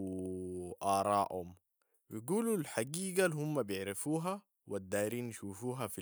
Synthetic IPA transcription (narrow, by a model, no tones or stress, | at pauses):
ʔɑːɾˤɑːʔhum | wiɡuːlulħaɡiːɡalhumːabjɪʕɾafuːɦa | wad̪ːaːjɾiːnːʃuːfuːɦafi